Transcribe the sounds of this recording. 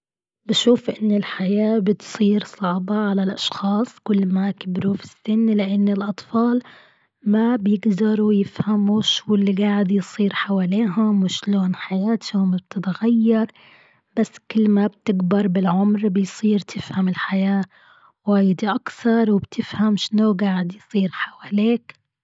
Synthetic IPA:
bɪʃuːfʔɪnːɪlħajaːbɪt̪sˤiːɾsˤɑʕbɑʕalalʔɑʃxɑːsˤkʊlːmakɪbɾufɪ̥sɪnːlɪʔɪnːɪlʔɑt̪ˤfɑːl | mabjɪɡd̪ɑɾˤujɪfhamuʃuːɪlːiɡaːʕɪd̪jsˤiːɾħawaːliːɦʊmwɪʃloːnħajaːt̪hʊmb̚t̪ʰɪt̪ɣajːɑɾˤ | b̥asːkɪlːmab̚t̪ɪɡbɑɾˤbɪlʕʊmɾbɪjsˤiːɾt̪ʰɪfhamɪlħajaː | waːjd̪iʔakθɑɾˤwɪbt̪ʰɪfhamʃnoɡaːʕɪd̪jsˤiːɾħawaːleːk

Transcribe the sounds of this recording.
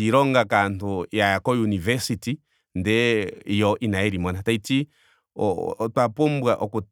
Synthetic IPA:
iɾɔŋɡakantujaakɔjunivɛsiti | ndɛjɔʔinaɛɾimɔnataiti | ɔtwapumbwaʔɔku

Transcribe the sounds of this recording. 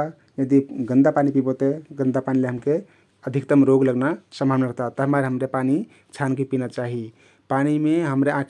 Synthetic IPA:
a | jed̪iɡə̃nd̪apanipibʱot̪eɡənd̪apanileɦəmke | əd̪ʱik̚t̪əmɾoɡləɡnasəmbʱabnaɾəɦt̪at̪əɦmaɾɦəmɾepani | t͡ʃʰankipinat͡ʃaɦi | panimeɦəmɾeãk

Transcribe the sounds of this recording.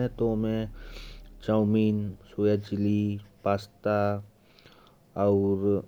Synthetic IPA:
ɛ̃t̪omẽ | t͡ʃawmiːnsoːjad͡ʒɪlipaːst̪a | ɔːɾ

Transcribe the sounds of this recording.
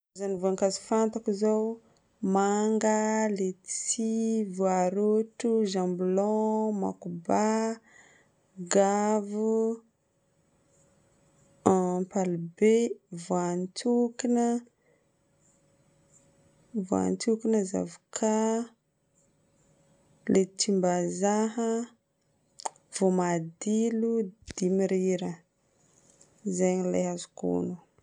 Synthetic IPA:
azanivoaŋkazi̥fant̪akizow | maŋɡəlet͡sivoaɾoʈ͡ʂuʒãmbilɔ̃ma̰kuba | ɡavu | palbevoant̪ʰukinə | voa̰nt̪ukinəza̰vukʰa | let̪ʰimbazaɦə | v̥omad̪ilud̪̥imiɾiɾə | zeɲilḛɦazu̥kṵnu

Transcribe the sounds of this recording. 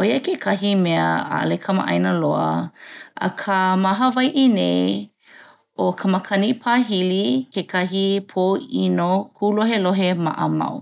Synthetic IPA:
ʔojəkekʰɐɦimeə̰a̰lekʰɐmə̰ʔɐ̰jnəloə̰ʔɐ̰kʰəmaɦəvajʔinej | okʰɐməkʰɐnipʰaːɦilikekɐɦipʰoinokʰuːloɦeloɦema̰ʔəma̰w

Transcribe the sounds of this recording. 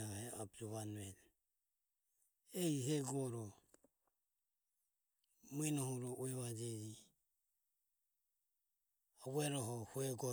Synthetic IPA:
ahɛabd͡ʒuβanɛl | ɛiɦɛɡɔɾɔ | minɔhuɾɔʔuɛβad͡ʒɛd͡ʒi | awɛɾɔɦɔhuɛɡɔ

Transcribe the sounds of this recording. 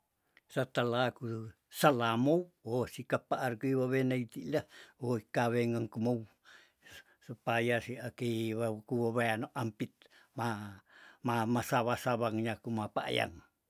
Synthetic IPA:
sat̪alaku | salamowosikapaʔːɾkuiβaβenait̪ilaoikaβeŋaŋkumow | supajasiakeβakuβoβeanoʔampit̪̚ | ma | mamasaβasaβaŋɲakumapa̰ʔja̰ŋ

